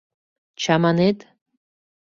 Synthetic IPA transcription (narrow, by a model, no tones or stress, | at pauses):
t͡ʃʰamanet̪